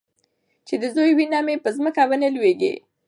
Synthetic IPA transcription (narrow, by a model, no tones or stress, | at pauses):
t͡ʃed̪əzojwinamepəzməkabanəlweɡḛ